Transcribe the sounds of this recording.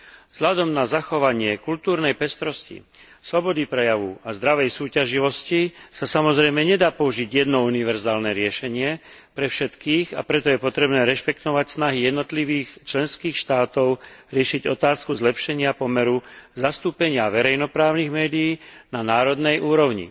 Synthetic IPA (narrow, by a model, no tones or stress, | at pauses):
vz̥ʎad̪ɔmnazaxɔʋaɲɪɛkult̪uːɾnɛjpɛst̪ɾɔscḭ | slɔbɔd̪ipɾɛjaʋuazd̪ɾaʋɛjsuːcaʒiʋɔscisasamɔzɾɛjmɛɲɛd̪aːpɔuʒiɟjɛd̪nɔuniʋɛɾzaːlnɛɾɪɛʃɛɲɪɛpɾɛfʃɛt̪kiːɣa̰pɾɛt̪ɔjɛpɔt̪ɾɛbnɛːɾɛʃpɛkt̪ɔʋacsnaɦijɛd̪nɔt̪liʋiːxt͡ʃlɛnskiːxʃt̪aːt̪ɔʊɾɪɛʃiɟɔt̪aːskuzlɛpʃɛɲɪapɔmɛɾuzast̪uːpɛɲɪaʋɛɾɛjnɔpɾaːʊniɣmɛːd̪ijiːnanaːɾɔd̪nɛjʔuːɾɔʊɲḭ